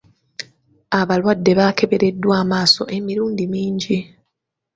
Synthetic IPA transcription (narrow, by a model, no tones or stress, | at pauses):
aβalwadːe̞βakʰe̞βe̞ɾe̞dːwaːmaːso̞̰ʔe̞miɾuːndimiːɲɟi